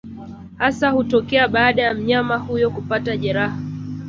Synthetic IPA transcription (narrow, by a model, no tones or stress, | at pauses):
hasahutɔkɛaɓaːɗajam̩ɲamahujɔkupataʄɛɾaha